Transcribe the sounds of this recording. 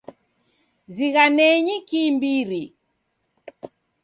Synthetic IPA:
ziɣanɛɲikimbiɾi

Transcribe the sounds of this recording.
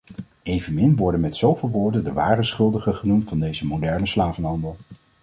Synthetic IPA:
ejvənmɪnʋɔɹdənmɛtsowvɪlˠʋʊːɹdəndəʋa̰ːrəsχɵlˠdəχəχənumtfɑndejzəmowdɛɹnəslaːvənɦɑndəlˠ

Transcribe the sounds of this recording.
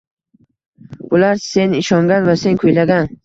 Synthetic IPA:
bʊlaɾse̞nɪʃɒŋɡʲanvase̞nkʰɵjlaɡʲan

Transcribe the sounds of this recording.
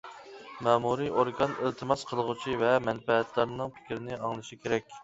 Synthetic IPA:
mɑːmuɾioɾɡɑnɪlt̪ʰɨmɑsqʰəlˠəʁut͡ʃʰivɛmɛnfɛːt̪lˠɑɾnɨŋpʰɪ̥kʲɾɪnɪɑŋlˠɨʃikʲʰeɾɛkʲ

